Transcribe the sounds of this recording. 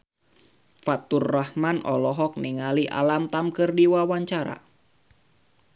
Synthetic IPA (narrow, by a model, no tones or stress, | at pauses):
fat̪urːahmanɔlɔɦɔk̚niŋaliʔa̰lamt̪amkɨrdiwawaɲt͡ʃaɾa̰